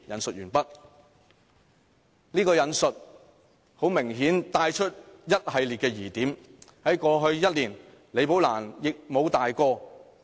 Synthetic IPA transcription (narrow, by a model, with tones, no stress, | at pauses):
jɐ˨˧nsɵ˨t̚jyː˨˩npɐ˥t̚ | niː˥kɔː˧jɐ˨˧nsɵ˨t̚ | ho˨˥wmɪ˨˩ŋɦiː˨˥nt̪aː˧jt͡ʃʰɵ˥t̚jɐ˥t̚hɐ˨jliː˨t̚kɛː˧jiː˨˩t̪iː˨˥mhɐ˨˥jkɔː˧ɦɵ˧ɥjɐ˥t̚liː˨˩n | le˨˧jp̬o˨˥wlaː˨˩njɪ˨k̚mo˨˧wt̪aː˨jkɔː˧